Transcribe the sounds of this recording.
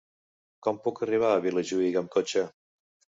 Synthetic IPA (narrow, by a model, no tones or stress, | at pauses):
kɔmpukəriβ̞aːβiləʒuiɣəmkot͡ʃə